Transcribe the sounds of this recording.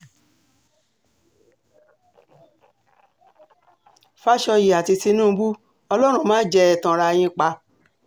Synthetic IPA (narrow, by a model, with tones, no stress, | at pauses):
fa˦ʃɔ˧ji˨a˨ti˧ti˧nũ˦˨˧bu˦ | ɔ˧lɔ˦ɾ̃ũ˧mãː˦d͡ʒɛ˧ɛ˨tã˨˧ɾa˧j̃ĩ˧k͡pa˧